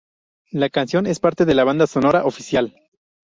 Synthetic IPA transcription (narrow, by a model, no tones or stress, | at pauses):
lakansjo̞ne̞spaɾt̪e̞ðe̞laβand̪aso̞no̞ɾaʔofisjal